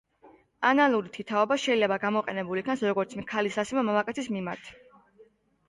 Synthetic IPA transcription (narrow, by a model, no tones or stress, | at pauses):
analˠuɾit̪ʰit̪ʰaɔbaʃɛilɛbaɡamɔqʼɛnɛbulikʰnasɾɔɡɔɾt̪sʰmkʰalisasimamamakʼɛt̪ʰismimaɾt̪ʰ